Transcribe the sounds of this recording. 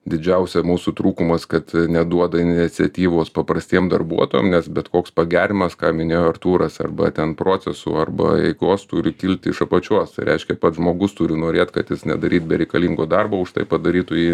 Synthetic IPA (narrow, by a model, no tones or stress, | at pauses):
d̪ʲɪd͡ʒʲɛʊsʲɛmuːsʊt̪ɾuːkʊmɐskɐt̪nʲɛd̪uɔd̪ɐɪnʲɪɪt͡sʲɛt̪ʲiːʋoːspɐpɾɐsʲt̪ʲiɛmd̪ɐrbuɔt̪oːjo̰mnʲɛsbʲɛt̪koːkspɐɡʲæːɾʲɪmɐskɑːmʲɪnʲeːjoːɐrt̪uːɾɐsɐ̰rbɐ̰t̪ʲɛnpɾoːt͡sʲɛsʊ̰ɐrbɐ̰ɛ̰ɪkoːst̪ʊɾʲɪkʲɪlʲt̪ʲɪʃɐpɐt͡ʃʲuɔst̪ɐɪɾʲɛ̰ɪʃʲkʲɛpɐt̪ʒmoːɡʊst̪ʊɾʲɪnoːɾʲeːt̪kɐt̪jɪsnʲɛ̰d̪ɐɾʲiːt̪̚bʲɛɾʲɛɪkɐlʲiːŋɡoːd̪ɑrboːʊʃt̪ɐ̰ɪpɐd̪ɐɾʲiːt̪ʊjiː